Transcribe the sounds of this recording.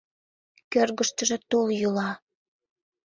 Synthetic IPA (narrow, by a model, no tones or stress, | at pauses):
kørɣəʃt̪əʒĕt̪oljulɑ